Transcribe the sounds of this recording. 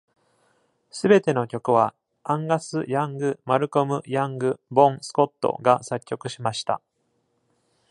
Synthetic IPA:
sɨbe̞t̪e̞no̞kʲo̞kɯ̟βa | ãŋɡasɨjãŋɡɯ̟maɾɯ̟ko̞mɯ̟jãŋɡɯ̟bõ̞ɴ̃sɨ̥ko̞t̪ːo̞̰ɡasakʲːo̞kɯ̟ɕimaɕi̥t̪a̰

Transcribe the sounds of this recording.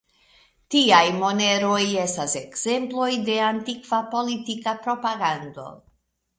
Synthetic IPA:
tiajmo̞ne̞ɾo̞je̞stase̞kz̥e̞mplo̞jde̞antikvapo̞litikapɾo̞paɡando̞̰

